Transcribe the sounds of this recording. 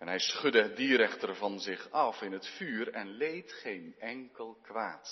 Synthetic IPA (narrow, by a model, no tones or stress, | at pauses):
ɛnɦɛjsχɵdəədiːɾɛχtərvɑnzɪχɑfɪnɦətfyːrɛnlejtχejnɛŋkəlˠkʋaːt